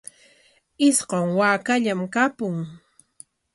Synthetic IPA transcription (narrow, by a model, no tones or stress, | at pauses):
ɪsɢoŋwaːkaʎamkapʊŋ